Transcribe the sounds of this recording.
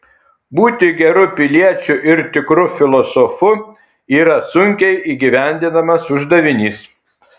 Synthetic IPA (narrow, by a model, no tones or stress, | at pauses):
buːt̪ʲɪɡʲɛɾʊpʲɪlʲiɛt͡ʃʲʊʔɪɾt̪ʲɪkɾʊfʲɪlˠɔsɔfʊ | iːɾɐsʊŋʲkʲɛɪʔiːɡʲiʋʲæˑnʲd̪ʲɪnɐmɐsʊʒd̪ɐʋʲɪnʲiːs